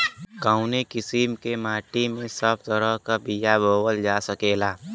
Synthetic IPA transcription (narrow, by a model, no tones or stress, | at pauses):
kaːʊnekɪsimkemaːʈimẽsəb̚t̪əɾəɦkabijaboːwəld͡ʒaːsəkeːlaː